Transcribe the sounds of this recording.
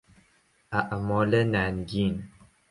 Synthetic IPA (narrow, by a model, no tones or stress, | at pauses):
aʔamɔlənanɡin